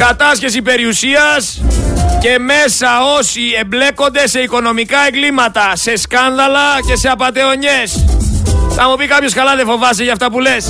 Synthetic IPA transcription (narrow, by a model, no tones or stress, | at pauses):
kɐt̪ɐsçe̞s̬ipe̞ɾiusiɐs | ce̞me̞sɐo̞siemble̞ko̞nd̪e̞se̞iko̞no̞mikɐe̞ŋɡlimɐt̪ɐse̞skɐnðɐlɐce̞se̞ɐpɐt̪e̞o̞ɲe̞s | θɐmupikɐpçoskɐlɐðefo̞vɐs̬eʝɐft̪ɐpule̞s